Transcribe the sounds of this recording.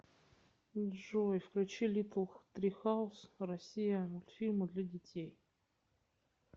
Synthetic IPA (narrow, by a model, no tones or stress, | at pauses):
ʐojfklʲʉt͡ɕilʲit̪lˠt̪ɾʲixaʊsrɐsʲijəʊlʲfʲilʲmɨd̪lʲɐdʲɪtʲej